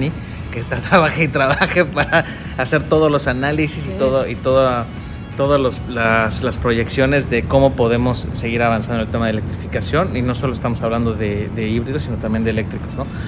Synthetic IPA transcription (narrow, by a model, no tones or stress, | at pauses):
i | ket̪at̪ɾaβaxeit̪ɾaβaxe̞paɾaː | se̞ɾt̪o̞ðozlo̞sanalisisit̪o̞ðoʔit̪o̞ðo | t̪o̞ðoloslaslaspɾo̞ʝe̞ksjo̞ne̞zðeko̞mo̞po̞ðe̞mo̞sːe̞ɣiɾaβansand̪oelt̪emaðelek̚t̪ɾifikasjo̞nino̞so̞lo̞est̪amo̞saβland̪o̞ðe̞ðe̞iβɾiðo̞sino̞t̪ambjend̪ele̞k̚t̪ɾiko̞zno̞